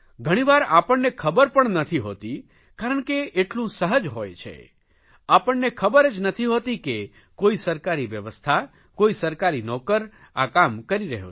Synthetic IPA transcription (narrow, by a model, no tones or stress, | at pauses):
ɡʱəɽ̃iʋaɾapəɳːekʰəbəɾpəɳnət̪ʰiɦo̰t̪i | kaɾəɳkeːʈlũsəɦəd͡ʒɦojt͡ʃʰḛ | apəɳːekʰəbəɾed͡ʒnət̪ʰiɦot̪ike | koisəɾkaɾiʋjəʋəst̪ʰa | koisəɾkaɾinɔkəɾ | a̰kamkəɾiɾəɦjo̰